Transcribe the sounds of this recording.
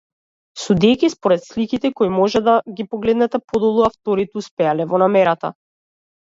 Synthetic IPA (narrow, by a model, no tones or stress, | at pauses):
sud̪ɛjkʲispɔɾɛt̪slikit̪ɛkɔimɔʒɛd̪aɡipɔɡlɛd̪nɛt̪ɛpɔd̪ɔlˠuaft̪ɔɾit̪ɛuspɛalɛvɔnamɛɾat̪a̰